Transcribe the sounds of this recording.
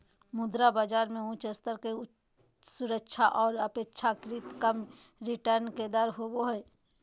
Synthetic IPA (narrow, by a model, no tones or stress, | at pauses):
mʊd̪ɾabaːd͡ʒaːɾmẽũt͡ʃəst̪əɾke | sʊɾəkʃʰaʔɔːɾəpeːtːʃʰakɾɪt̪kəm | ɾɪʈəɾnked̪əɾɦoboɦɛː